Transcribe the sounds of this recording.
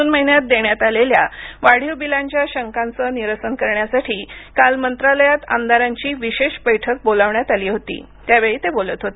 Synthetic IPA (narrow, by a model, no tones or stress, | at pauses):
uːnməɦinjat̪̚d̪eɳjat̪alelja̰ʋaɽ̤iʋbilaɲt͡ɕjaɕəŋkant͡səːniɾəsənkəɾɳjasaʈʰiːkalmənt̪ɾaləjat̪a̰mnd̪aɾaɲt͡ɕiːʋiɕeɕbəjʈʰək̚bolaʋɳjat̪aliːɦot̪ḭː | t̪jaʋeɭiːt̪ebolət̪ɦot̪e